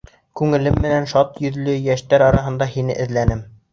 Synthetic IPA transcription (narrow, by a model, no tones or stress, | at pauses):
kʉŋɘ̆lɘmːɘ̆nænʃɑt̪jɵ̆ðlɵjæʃt̪æɾɒɾɑɦɤ̆nd̪ɑhinɘ̰ʔɘ̆ðlænɘm